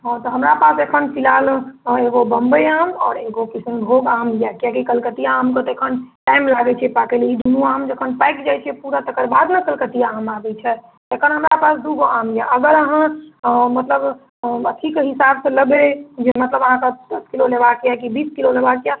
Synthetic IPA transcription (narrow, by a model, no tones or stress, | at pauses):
ɦɔ̃t̪ɔɦəmɾapasekʰənpilaleɡobəmbəjamɔ̰ːɾeɡokisənbʱoɡaːmɡjakjakikəlkət̪ijaamkt̪ɔekʰənʈaɪmlaɡɛt͡ʃʰiɛpakeleid̪ʱumũamd͡ʒəkʰənpajkd͡ʒajt͡ʃʰiɛpuɾat̪əkəɾbad̪nəkəlkət̪ijaamabɛt͡ʃʰɛ | t̪ekʰənɦəmɾapasd̪uɡoamɡjaʔəɡəɾəɦãmət̪ləb | ət̪ʰikɦisabsẽləɡed͡ʒemət̪ləbəɦãkad̪əskilolebakjakibiːskilolebakja